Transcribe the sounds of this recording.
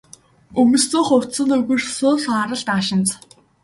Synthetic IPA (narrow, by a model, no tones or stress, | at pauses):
ɵmɵ̆stɵːχʊwtsə̆nɵɣɵ̆rsʊːɮaɾə̆ɮt̪aːʃɪ̆nt͡s